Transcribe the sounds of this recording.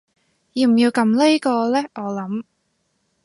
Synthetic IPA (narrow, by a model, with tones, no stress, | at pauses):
jiː˨˧m̩˨˩jiː˧wkɐ˨˧˥mle˥jkɔː˧lɛː˥ʔɔː˨˧lɐ˨˥m